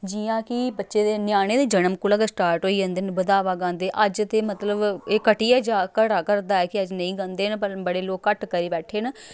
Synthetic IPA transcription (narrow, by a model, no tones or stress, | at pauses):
d͡ʒijãːkɪbətːʃeːd̪eːnɪjaːñeːd̪eːd͡ʒənəmkʊlaːɡasʈaːɾʈɦoːiːd͡ʒãːnd̪eːnbəd̪aːʋaːɡãːnd̪eːʔəd͡ʒt̪eːmət̪ləbeːkəʈiːɛːd͡ʒaːkəɽaːkəɾd̪aːɛːkɪəd͡ʒnəĩːɡãːnd̪eːnpəɾbəɽeːloːkːəʈkəɾiːbɛːʈʰːeːnː